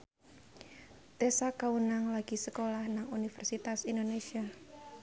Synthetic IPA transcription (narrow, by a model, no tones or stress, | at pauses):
t̪esakaunaŋlaɡ̥isəkolahnaŋunifɛrsit̪asindonesia